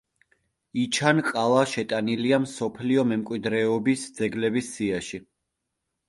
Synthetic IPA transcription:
it͡ʃʰanqʼalˠaʃɛt̪ʼaniliamsɔpʰliɔmɛmkʼwid̪ɾɛɔbisd̪z̥ɛɡlɛbisːiaʃi

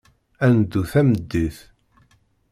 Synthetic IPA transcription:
ænd̪ːuθæməd̪ːiθ

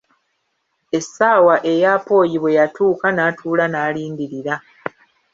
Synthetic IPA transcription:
e̞sːaːwaʔe̞jaːpo̞ːjiβwe̞jatʰuːkanaːtʰuːlanaːliːndiɾiɾa

